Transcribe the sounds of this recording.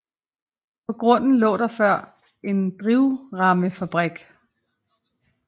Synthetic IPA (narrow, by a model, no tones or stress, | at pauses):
pʰɒ̽ɡ̥ʁɔ̽n̰n̩lɔ̰ːɾ̥ɑ̈fɶɐ̰ | e̝nd̥ʁiʊʁɑ̈məfæb̥ʁɛɡ̥